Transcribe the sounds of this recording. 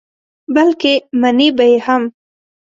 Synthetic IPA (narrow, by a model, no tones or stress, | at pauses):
balkemanebajeham